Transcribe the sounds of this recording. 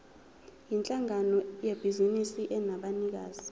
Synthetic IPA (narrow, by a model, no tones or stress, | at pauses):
jint͡ɬʼaŋanɔjeb̥ʱizinisiʔɛnaɓanik̬aːz̥i